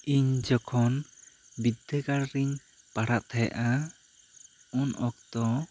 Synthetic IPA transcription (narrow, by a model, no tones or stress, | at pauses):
iɲd͡ʒɔkʰɔn | bid̪ʱːɛɡaɾɾiɲ | paɽaʔt̪ʰɛja̰ʔa | unʔɔk̚t̪ɔ